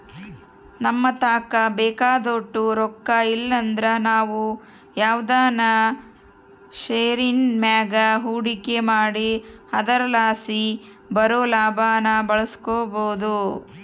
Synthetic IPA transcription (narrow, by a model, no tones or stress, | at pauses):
nɐmːɐt̪aːkɐbɛːkaːd̪oːʈːuɾɔkːailːɐnd̪ɾɐnaːʋu | jaːwd̪aːnɐ | ʃeːɾinmaːɡɐɦuːɽikemaːɽihɐd̪ɐɾɐlaːsi | bɐɾoːlaːbʱaːnɐbɐɭɐskoːboːd̪u